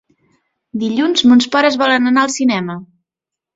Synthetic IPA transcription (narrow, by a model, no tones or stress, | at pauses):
d̪iʎunzmunspɔɾəzβɔlənənaəlˠsinɛmə